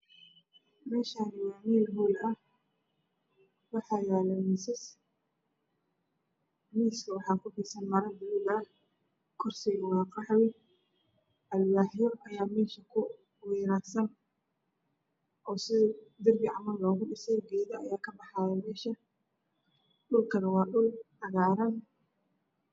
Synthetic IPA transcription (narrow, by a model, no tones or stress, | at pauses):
mɛːʃaːnwaːniːlɦuːlɐh | wɑħɑːjaːlɐmɪsɪs | miːskʰɐwɑħɑːkʰʊbiːsɐnmɐɾɐd̪wuːd̪ɐ | kʰɔrsɛjwɑːqɑħwɪ | ʔɐlwaːħjɔʔɐjaːmɛːʃɐkʰʊ | wiːɾaːrsɐn | ʔɔːsɪd̪ɪrbɪʕɑmɐlːɔːɣʊɖɪsɛjɡɛːðɐɐjaːkʰɐbɑħaːjɛmɛːʃɐ | ɗʊlkʰɐnɐwɑːɗʊl | ɐɣaːɾɐn